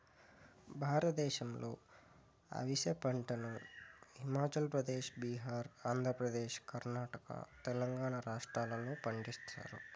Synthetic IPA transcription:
bʱaːɾɐt̪d̪ɛːʃɐmlo̞̰ː | ɐ̰ʋisjɐpɐɳʈɐnuimaːt͡ʃɐlpɾɐd̪eːʃbiɦaːɾaːnd̪ʱɾɐpɾɐd̪eːʃkɐɾnaːʈɐkɐ̰t̪ɛlɐŋɡaːɳɐɾaːʂʈɾaːlɐnupɐɳɖist̪a̰ːɾṵ

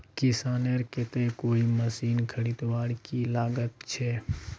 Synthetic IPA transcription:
kɪsaːneɾkɪt̪ekoːiməsiːnkʰəɽit̪ʋaːɽkilaːɡət̪t͡ʃʰɛː

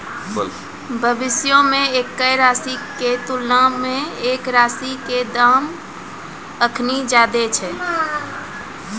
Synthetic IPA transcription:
bʱəbisjomeekːəjɾasiket̪ulnameːkɾasiked̪am | əkʰnid͡ʒad̪et͡ʃʰɛ

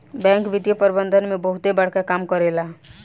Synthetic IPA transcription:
bɛ̃ŋkʋid̪jəpəɾbənd̪ʱənmẽbəɦut̪ebəɽ̤kakamkəɾela

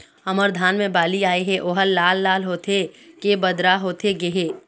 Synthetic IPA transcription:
ɐməɾd̪ʱaːnmẽbaːliaːeɦɛ̃ʔoːɦəlːaːlːaːlɦoːt̪ʰekebəd̪ɾaɦoːt̪ʰeɡeɦeː

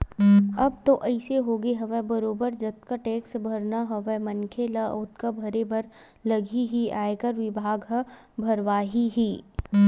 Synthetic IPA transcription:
ɐb̚t̪oʔɐɪseɦoːɡeɦɐʋɛbɐɾoːbəɾd͡ʒɐt̪kaʈeːksbʱɐɾnaɦɐʋɛmɐ̃nkʰelaʊt̪kabʱɐɾebɐɾ | lɐɡʱiɦiaːekɐɾʋɪbʱaːɡɦɐ | bʱɐɾʋaːɦiɦiː

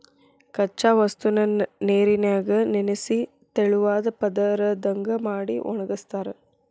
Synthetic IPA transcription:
kɐt͡ʃːaːʋɐst̪unɐneːɾinjaːɡɐnenesi | t̪eɭuʋaːd̪ɐpɐd̪ɐɾɐd̪ɐŋɡɐmaːɽḭʔɔ̰ɳɐɡɐst̪aːɾe

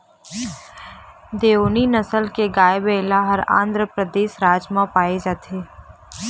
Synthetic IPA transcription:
d̪eːoːninəsəlkeɡaːjbeːlaɦəɾã̰ːnd̪ɾəpɾəd̪eːʃɾaːd͡ʒmãpaːed͡ʒaːt̪ʰeː

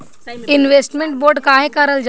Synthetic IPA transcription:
ɪnʋeːsʈmẽɳʈboːɾɖkaːɦekəɾəld͡ʒ

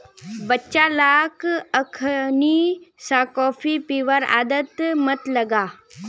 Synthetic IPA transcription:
bətːʃalaːkəkʰnisaːkɔːfʰipiʋəɾa̰ːd̪ət̪mɐt̪lɐɡaː

